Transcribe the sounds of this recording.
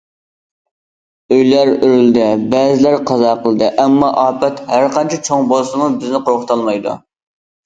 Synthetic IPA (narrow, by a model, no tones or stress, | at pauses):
øjlæɾøɾyld̪ɪbɛzɪlæɾqʰɑzɑːqʰəlˠd̪ɨʔɛmːɑʔɑːpɛt̪hæɾqɑnt͡ʃʰɛt͡ʃʰoŋbolˠsɨmubɪznɪqʰoɾqʊt̪ʰɑlˠmɑjd̪ṵ